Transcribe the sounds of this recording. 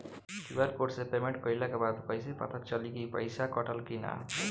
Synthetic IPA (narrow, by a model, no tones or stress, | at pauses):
kibaɾkoɾsepemeɳʈ̚kʌjlakabad̪kʌjsepa̰t̪ʰat͡ʃʌlikijpʌ̰jsakɔʈʰʌlkina̰